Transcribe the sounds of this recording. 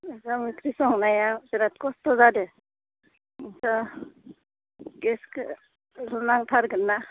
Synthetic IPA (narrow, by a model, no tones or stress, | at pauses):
zamɯkʰɾisɔŋnajazeɾat̪̚kɔstɔzadɯ | iŋsa | ɡeskɯ | lunaŋtʰaɾɡɯnːa